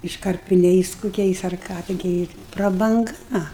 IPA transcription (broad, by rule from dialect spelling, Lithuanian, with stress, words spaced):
ɪʃkɐrʲpʲɪˈnʲɛɪs kʊˈkʲɛɪs ɐr ˈkɑː tʲɪˈɡʲɪ prɐbɐŋˈɡɐ